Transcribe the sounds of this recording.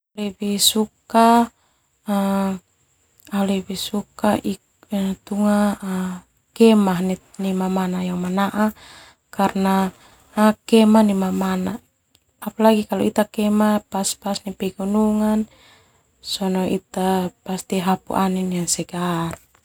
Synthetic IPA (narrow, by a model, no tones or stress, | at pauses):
lɛbisuka | alɛbisukaʔi | t̪uŋa | kɛmaɦni | nimamanajaŋmanaʔa | karna | kɛmanimamanaː | palaɡikalɔit̪akɛmapaspasnipɛɡunuŋan | sɔnɔʔit̪apast̪iɦapṵʔaniniansɛɡar